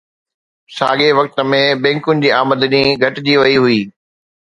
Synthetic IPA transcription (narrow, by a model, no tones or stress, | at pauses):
sa̰ːɡeʋɐk̚t̪ə̆mẽbɛ̃ːŋkʊnɪ̆d͡ʑiːaːməd̪niɡʱɐʈɪd͡ʑiːʋɐiɦuiː